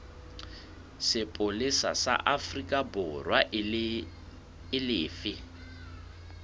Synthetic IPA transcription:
sɪpʼolɪsa̰sa̰ʔafrikʼabʊrwa | ɪlɪːfɪ

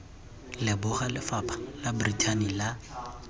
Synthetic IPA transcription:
lɪbʊχalɪfapʰḁlabʊritʰanila

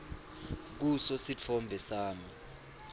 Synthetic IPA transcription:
k̬usɔsit͡fʰɔmbʱɛsaːmi

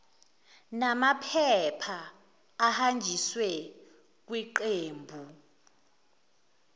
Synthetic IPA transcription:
namapʰɛpʰaː | hand͡ʒʱiswɛ | k̬wiǃeːmbʱu

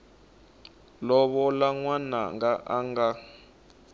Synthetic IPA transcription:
lɔɓɔlaŋwana̰ŋɡaʔaŋɡa

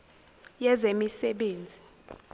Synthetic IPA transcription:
jɛzemisɛɓeːnd͡zʱi

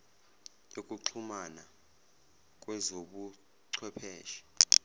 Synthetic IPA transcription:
ek̬ʼuǀʰumana | k̬ʼwɛzoɓu | ǀʰwɛpʰɛːʃi̥

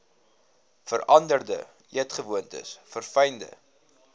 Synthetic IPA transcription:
fərɐndərdə̰ | ʔiətχəvuəntə̰sfərfɐjndə̰

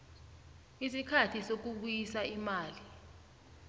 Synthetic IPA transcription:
isikʰatʰisok̬uɓujisaimaːli

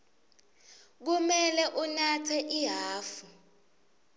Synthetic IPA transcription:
k̬umɛlɛʔunatʰɛʔiɦaːfu

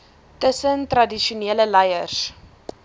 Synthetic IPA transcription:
təsəntrɐdiʃuneːləlɛjərs

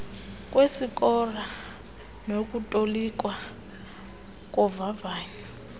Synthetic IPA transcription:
k̬ʼwesikʼɔra | nok̬ʼutʼolik̬ʼwa | k̬ʼɔvavaːɲi

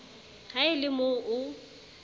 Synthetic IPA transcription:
haɪlɪmoʔʊ

